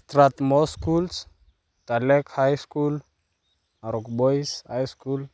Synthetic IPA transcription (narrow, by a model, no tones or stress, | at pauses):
st̪ɾat̪mɔskuls | t̪alɛkhajskul | aɾɔkbojshajskul